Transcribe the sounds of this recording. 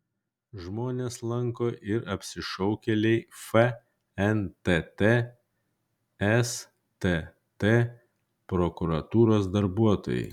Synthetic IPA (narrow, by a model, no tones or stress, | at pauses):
ʒmoːnʲeːslˠɐŋkoːʔɪɾɐpʲsʲɪʃɔʊkʲɛlʲɛɪfɛ | ɛnt̪ɛt̪e | ɛs | t̪e | t̪e | pɾɔkʊɾɐt̪uːɾoːsd̪ɐɾbuɔt̪o̰ːjɛ̰ɪ